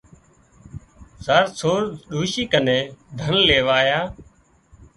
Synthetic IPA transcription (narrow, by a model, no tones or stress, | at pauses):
zəːɾsʰoːɾɗuːʃiːkənẽːd̪ʱənleːʋaːjaː